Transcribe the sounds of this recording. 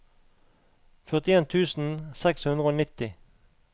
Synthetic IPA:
fœʁt̪ɪeːnt̪ʰʉːsn̩sɛkshʉnd̪ʁəoːnɪt̪ɪ

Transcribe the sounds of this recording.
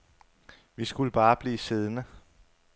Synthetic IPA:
ʋisɡ̥uləb̥ɑ̈ːb̥liːse̝ð̞ˠnə

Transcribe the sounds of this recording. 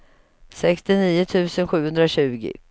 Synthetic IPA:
sɛkst̪ɪniːʊt̪ʰʉ̟ːsənɧʉ̟ːhɵnd̪ɾaɕʉ̟ːɡɪ̰

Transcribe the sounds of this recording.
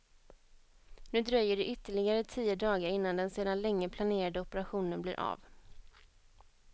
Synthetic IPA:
nʉ̟ːd̪ɾœjːəɖɛʔʏt̪ːəɭɪɡaɾət̪ʰiːəd̪ɑːɡaɾɪnːand̪ɛnseːd̪anlɛŋːəpʰlaneːɾad̪əɔpəɾaɧuːnənblɪ̰ːɾʔa̰v

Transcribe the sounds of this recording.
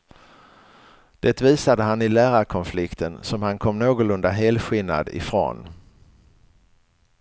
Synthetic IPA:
d̪̥et̪viːsad̪əɦanɪlæːɾaɾkʰɔnflɪkt̪ʰənsɔmhankʰɔmːnoːɡʊlɵnd̪aɦeːlɧɪlna̰d̪ɪ̰fɾo̰ːn

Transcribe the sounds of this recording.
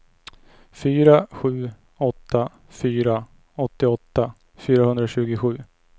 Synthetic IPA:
fyːɾaɧʉ̟ː | ɔt̪ʰːa | fyːɾa | ɔt̪ːɪɔt̪ːa | fyːɾahɵnd̪ɾaɕʉ̟ːɡɪɧʉ̟ː

